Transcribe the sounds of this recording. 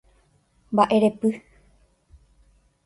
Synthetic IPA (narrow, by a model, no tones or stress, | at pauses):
mbaʔe̞ɾe̞pɨ